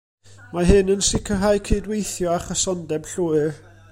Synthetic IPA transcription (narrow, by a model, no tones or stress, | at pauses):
maɦɨnənsɪkʰəɦajkʰiːdwejθjɔaχəsɔndɛb̥ɬuːɨr